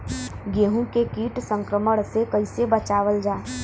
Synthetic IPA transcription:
ɡeɦũkekiːʈsə̃ŋkɾəməɽ̃sekəɪsebət͡ʃaːʋəld͡ʒaː

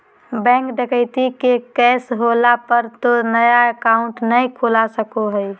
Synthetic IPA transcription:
bɛ̃ːŋkd̪ekʰəɪt̪ikekɛːsɦolapəɾt̪onəjaekaʊ̃ɳʈnəĩkʰolasəkoɦəj

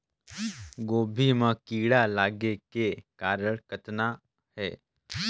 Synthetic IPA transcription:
ɡoːbʱimãkiːɽalaːɡekekaːɾəɭkət̪na | hɛ̰ː

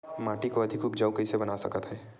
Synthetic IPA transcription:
maːʈikoɐd̪ʱɪkʰuːbd͡ʒɐwkəisebɐnasɐ̰kət̪ɦɛː

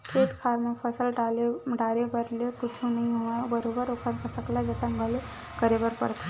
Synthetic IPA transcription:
kʰeːt̪kʰaːɾmẽpʰɐsəlɖaːleɖaːɾepɐɾlekʊt͡ʃʰũnɐɦĩɦoabɐɾoːbəɾokʰəɾkɐsəklad͡ʒɐt̪əŋɡale | kəɾebəɾpɐ̰ɾt̪ʰe

